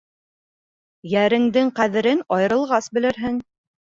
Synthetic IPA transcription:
jæɾɘ̆ŋd̪ɘŋqæðɘ̆ɾɘnɒjɤ̆ɾɤ̆lˠʁɑsbɘ̆lɘ̆ɾɦɘŋ

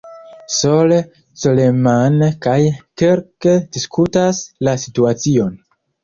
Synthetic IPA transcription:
sole | solemankajkeɾkediskʰutaslasituat͡sio̞n

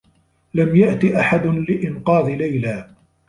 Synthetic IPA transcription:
lamjaʔt̪iʔaħad̪ʊlɪʔɪnqɑːðˤlajlaː

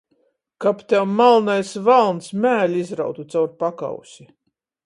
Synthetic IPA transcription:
kapt̪ʲɛwmalˠnajsvalˠnsmæːlʲizɾa̰wt̪ut̪sawɾpaka̰wsʲi

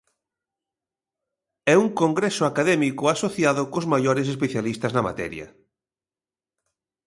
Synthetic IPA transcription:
ɛuŋkoŋɡɾɛsʊakaðɛmikʊasoθjaðʊkozmajoɾes̬espeθjalist̪ɐznɐma̰t̪ɛ̰ɾjɐ̰

